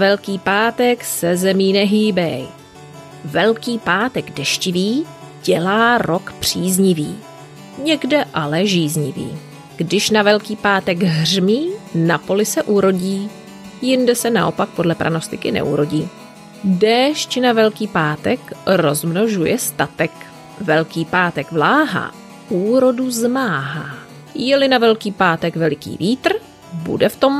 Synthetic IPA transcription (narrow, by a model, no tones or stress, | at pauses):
vɛlkiːpaːt̪ɛksɛzɛmiːnɛɦiːbɛj | vɛlkiːpaːt̪ɛɡdɛʃcɪviː | ɟ̥ɛlaːɾo̞kpr̝̥iːzɲɪviː | ɲɛɡdɛʔalɛʒiːzɲɪ̰vḭː | ɡ̥dɪʃnavɛlkiːpaːt̪ɛɡɦrmiːnapo̞lɪsɛʔuɾo̞ɟiː | jɪndɛsɛna̰ʔo̞pak̚po̞dlɛpɾʔa̰no̞st̪ɪkɪnɛ̰ʔṵɾo̞ɟiː | dɛːʃt͡ʃɪnavɛlkiːpaːt̪ɛkɾo̞zmno̞ʒujɛst̪at̪ɛk | vɛlkiːpaːt̪ɛɡvlaːɦa̰ | uːɾo̞duzmaːɦaː | jɛlɪnavɛlkiːpaːt̪ɛɡvɛlɪkḭːviːt̪r̩ | bṵdɛft̪o̞m